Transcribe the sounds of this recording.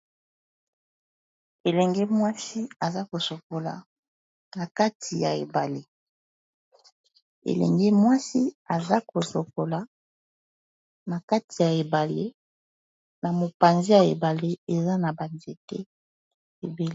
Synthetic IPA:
e˨lɛ˨ŋɡɛ˦mwa˦si˦a˨za˦ko˨so˨ko˨la̰˨ | na˨ka˦tʰi˨ja̰˨ḛ˨ba˨le˦ | ḛ˨lɛ̰˨ŋɡɛ˦mwa˦si˦a˨za˦ko˨so˨ko˨la˨ | na˨ka˦tʰi˨ja˨e˨ba˨le˦ | na˨mo˨pa˨nzi˦ja˨e˨ba˨le˦e˨za˦na˨ba˨nze˦tɛ˦ | e˨be˨l

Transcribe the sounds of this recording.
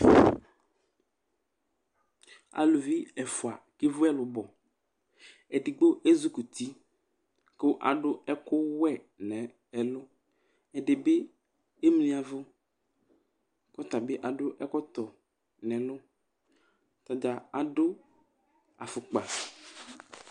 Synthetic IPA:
a̰˨lʊ˨vi˦ɛ˨fʊ˨a˨ | kɪ˦vʊ˦ɛ˦lʊ˨bɔ˨ | ɛ˨di˨ɡ͡bo˦ʔe˦zu˦ku˨t̪i˦ | kʊ˦ʔa̰˨ɖʊ˦ɛ˦kʊ˦wɛ˦˨ | nɛ̃˨ | ɛ˨lʊ˦ | ɛ˨dɪ˨bɪ˦ | e˦m˦lĩ˦a˨vʊ˦ | kɔ˦t̪a˨bɪ˦ʔa˨ɖʊ˦ʔɛ˦kɔ˦t̪ɔ˨ | nɛ̃˨lʊ˦ | t̪a˨d͡ʒa˨a˨dʊ˦ | a˨fʊ˨k͡pa˨

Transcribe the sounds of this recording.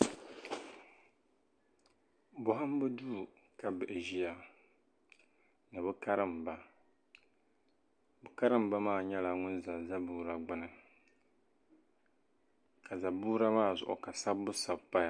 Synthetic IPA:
bʊ˦ɦa˦m˦bɨ˦duː˦˨ | ka˦bɨ˨ʔe˨ʒi˦ja˨ | nɨ˨bɨ˦ka˦ɾɨ˦mba˦ | bʊ˨ka˦ɾɨ˦m˦ba˦maː˦˨ɲɛ˦la˦ŋʊ˦nza˨za˦buː˦ɾa˨ɡ͡bʊ˦nɨ˨ | ka˨za˨buː˦ɾa˦maː˦˨zʊ̰˨ʔʊ̰˨ka˨sa˦bːʊ˦sa˦˨bpa˦j

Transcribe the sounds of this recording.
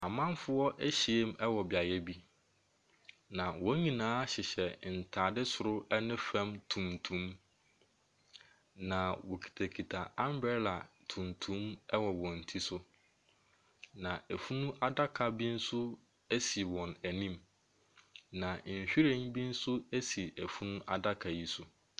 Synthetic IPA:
a˨mã˦mfʊ˦ɔ˦ʔæ˦ɕi˨e˦mɛ˦wɔ˨bɪ˨a˨jɛ˦bi˦ | nã˨wɔ̃˦ɲĩ˨nãː˦ɕɪ˨ɕɛ˨n̩˨tʰaː˨dɪ˦sʊ˨ɾʊ˦ɛ˦nɪ̃˦fæ̃˦mtʰũ˨mtʰũ˦m | nã˨wɔ˨kʰi̥˨tʰæ˨kʰi˨tʰa˨a˦m˦bɛ˦la˨tʰũ˨mtʰũ˦mɛ˦wɔ˨wɔ̃˨n̩˨tʰi˦sʊ˦ | nã˨ʔæ˨fu˦nũ˦ʔa˦da˦kʰa˨bi˦n̩˦sʊ˦ | æ˦si˨wɔ̃˨næ˨nĩ˦m | nã˨ɕᶣi˦ɾẽ˦ŋbi˦n̩˦sʊ˦æ˦si˨ʔæ˨fu˦nũ˦ʔa̰˨da˦kʰa˨ji˦sʊ˦

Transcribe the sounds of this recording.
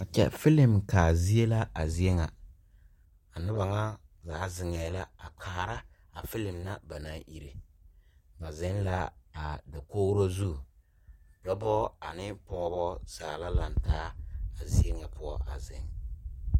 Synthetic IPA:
a˨t͡ʃɛ̰˦fɪ˦lɪ˨mkaː˨zi˦e˦la˦a˨zi˦e˦ŋa˨ | a˨nʊ˦ba˨ŋa˦zaː˨˦zɪ˨ŋɛː˨la˦a˨k͡pʰaː˨ɾa˦ | a˨fɪ˦lɪ˨mna˦ba˨na˦ʔi˨ɾe˨ | ŋa˨zɪ˦nla˦a˨da˨koː˦ɾo˦zu˦˨ | dɔ˦bɔ˦a˨nɪ˦pɔː˦bɔ˦z̥aː˨la˦la˨n˨taː˦a˨zi˦e˦ŋa˨pʊ˦ɔ˦ʔa˨zɪ˨ŋ

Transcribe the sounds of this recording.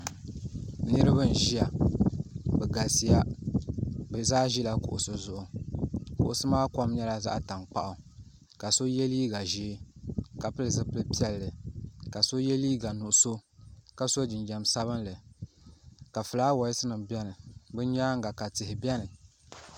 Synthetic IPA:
nɨ˦ɾɨ˦bɨ˦n˨ʒi˦ja˨ | bɛ˨ɡa˨si˦ja˦ | bzaː˦ʒi˦la˦kʊ̰˨ʔʊ̰˨sɨ˦zʊ˨ʔʊ˨kʊ̰˨ʔʊ˨sɨ˦maː˦kɔ˦mɲɛ˦la˦za̰˦ʔta˨ŋk͡pa̰˦ʔʊ˨ | ka˨so˦jɛ˦liː˦ɡa˨ʒiː˦ka˨pɨ˦lɨ˨zɨ˦pɨ˦lpi˦ɛ˦lːɨ˨ka˨so˦jɛ˦liː˦ɡa˨nʊ˨ʔʊ˨so˦ka˨so˦d͡ʒɪ˨nd͡ʒɛ˨msa˦βɨ˦nlɨ˨ | ka˨fɨ˨laː˦wa˨jɪ˦sɨ˦nɨ˨mbɛ˦nɨ˨bɨ˦ɲaː˦ŋ˦ɡa˨ka˨tɨ˨hɪ˨bɛ˦nɨ˨

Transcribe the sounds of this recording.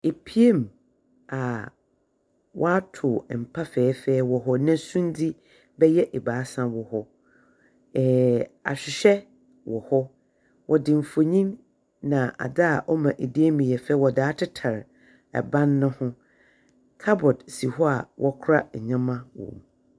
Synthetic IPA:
e˨pʰi˦e˦m | a˨ | wʔɔ̰˦a˦tʰʊ˨m̩˨pʰa˦fɛː˨˦fɛː˦wɔ˨ɦɔ˦nã˦sũ˦n˦di˦ | bɛ˦jɛ˦ʔɛ˨baː˨˦sã˦wɔ˨hɔ˦ | ɛ˨a̰˨ɕᶣɪ˨ɕɛ˦ | wɔ˨hɔ˦ | wʔɔ˨dɪ̃˨m̩˨fo˨ɲĩ˦m | nã˨ʔa̰˨da˦a˨ʔɔ˦mã˨ʔe˨di˦e˦mĩ˨jɛ˨fɛː˦wɔ˨daː˨˦tʰɪ˦tʰa˨ɾ | ɛ̰˨bã˦nːʊ̃˦hʊ̃˦ | kʰa˦bɔ˨dsi˨ɦɔ˦a˨wʔɔ˦kʰʊ˦ɾa˦˨ɲã˦mã˦wɔ̰̃˨m˨

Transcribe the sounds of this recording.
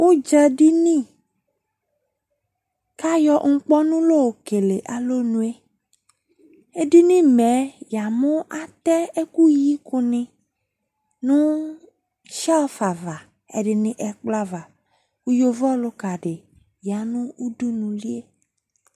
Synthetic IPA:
wo˦d͡ʒɛ˦ɖi˦nĩ˦ | ka˦jɔ˨ŋ̩˦k͡pɔ˦nũ˦lo˦wo˨ke˨le˨ʔa˨lo˦nũ˦e˦ | e˦ɖi˦nĩ˦mɛ˨˦ja˨mõ˦ʔa˨t̪ɛ˦e˦ku˦ji˦ko˨nɪ̃˨ | nũ˦ | ʃa˦ɔ˦fa˨va˨ | ḛ˨ɖɪ˨nɪ̃˦ʔɛ˨k͡pla˦va˨ | wu˦jo˦vɔ˦lo˦ka˨ɖe˨ | ja˨nũ˦u˦du˦nũ˨li˦e˦

